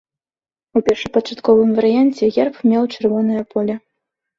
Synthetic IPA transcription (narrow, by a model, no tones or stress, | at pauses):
upʲɛrʂɨpɐt͡ʂat̪kɔvɨmvɐɾɨjanʲt͡sʲɛɣʲɛrpmʲɛwt͡ʂɨrvɔnɐjɐpɔlʲɐ